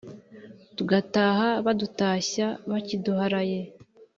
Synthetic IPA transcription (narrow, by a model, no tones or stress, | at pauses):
tuɡataːhaβadutaːɕaβaciduhaɾaje̞